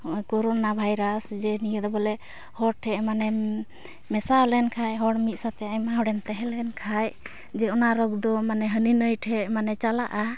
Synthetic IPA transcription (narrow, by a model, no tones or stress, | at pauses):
kɔɾɔnabʱajɾasd͡ʒɛnijəd̪ɔbɔlɛ | hɔʈʰɛʔmanɛ | mɛsaɔlɛnkʰajɦɔɽmit̪̚sat̪ɛajmaɦɔɖɛmt̪ɛɦɛlɛnkʰaj | d͡ʒɛɔnaɾɔɡ̚d̪ɔmanɛɦəninəjʈʰɛʔmanɛt͡ʃalaʔa